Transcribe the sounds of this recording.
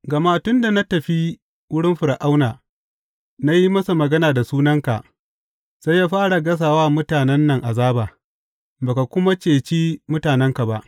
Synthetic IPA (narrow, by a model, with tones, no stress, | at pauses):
ɡɐ˨ma˦tʊ˦nda˨na˦tɐ˨ɸi˦ | wʊ˦ɽɪ˦mɸʊ˨ɾʔa˦wnaː˨ | na˦ji˦mɐ˦su˨mɐ˨ɡɐ˦naː˨da˨suː˦nɐ˦ŋka̰˨ʔ | sa˦jːaː˦ɸaː˦ɽa˨ɡɐ˦s̬aː˨waː˦mʊ˦taː˨nɛ˦nːɐ˨ŋʔa˨zaː˦baː˨ | baː˨ka˨kʷʊ˦ma˦t͡ʃeː˨t͡ʃiː˦mʊ˦taː˨nɛ˦ŋka˨ba˦ʔ